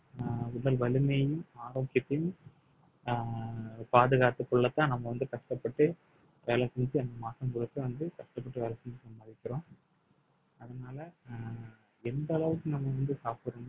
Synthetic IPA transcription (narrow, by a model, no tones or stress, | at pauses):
ʊðɐlʋɐlɯmɐjɯmaːɾoːkɪjɐt̪ːɐjɯm | paːðɯɣaːt̪ɯkːɔɭːɐt̪ːãːnɐmːɐʋɐnd̪ɯkɐʂʈɐpːɐʈːɯ | ʋeːlɐsɛɲd͡ʒɯɛnd̪ɐmaːʈːɐmkʊɽɯk̪ːɯʋɐnd̪ɯkɐʂʈɐpːɐʈːɯʋeːlɐsɛɲd͡ʒɯnɐmːɐɐðɪkʲːɪɾõː | ɐðɐnaːlɐ | ɛnd̪ɐlɐʋɯkːɯnɐmːɐʋɐnd̪ɯsaːpɯɾɐn